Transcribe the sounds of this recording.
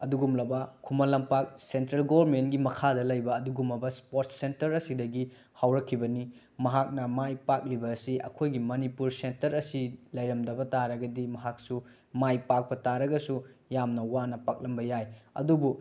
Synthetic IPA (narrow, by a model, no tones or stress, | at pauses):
ɐduɡumlɐbɐkʰumɐlɐmpak̚sentɾɐlɡowɐɾmentɡimɐkʰadɐlɐjbɐːduɡumlɐbɐspoɾt̚sentɐɾɐsidɐɡi | hawɾɐkʰːibɐni | mɐɦak̚nɐmajpak̚libɐːsiʔɐ̰kʰojɡimɐnipuɾsentɐɾɐsilɐjɾɐmdɐbɐtaɾɐɡɐdimɐɦak̚su | majpak̚pɐtaɾɐɡɐsujamnɐwanɐpak̚lɐmbɐjajɐ̰dubu